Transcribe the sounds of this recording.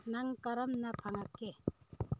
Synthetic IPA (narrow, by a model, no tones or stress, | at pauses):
nɐŋkɐɾɐmnɐpʰɐŋɐkːe